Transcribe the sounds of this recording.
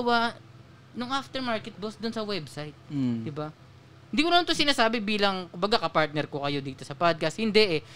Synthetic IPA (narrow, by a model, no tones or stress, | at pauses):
ɐwa | nʊŋʔaft̪ɛɹmaɹkɛt̪̚bosd̪ʊnsɐwɛbsajt̪̚d̪ɪba | hɪnd̪iːkonmant̪oŋsɪnaːsaːbɪbiːlɐŋkʊmbɐɡakɐpaɹt̪̚nɛɾkokɐjo̞d̪iːt̪o̞sɐpad̪̚kɐshɪnd̪ɛʔɛ